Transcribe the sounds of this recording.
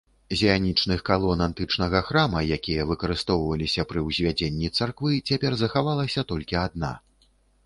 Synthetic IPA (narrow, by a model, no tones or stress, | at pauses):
zʲɛjanʲit͡ʂnɨxkalˠɔnant̪ɨt͡ʂnɐɣɐxɾamɐjakʲijɐvɨkɐɾɨst̪ɔwvɐlʲisʲɐpɾɨwzʲvʲad͡zʲenʲːit̪sarkvɨt͡sʲapʲɛrzɐxavalˠɐsʲɐt̪ɔlʲkʲiad̪na̰